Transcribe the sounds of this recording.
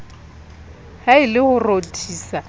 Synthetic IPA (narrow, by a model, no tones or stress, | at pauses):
haɪlɪhʊrotʰiːsa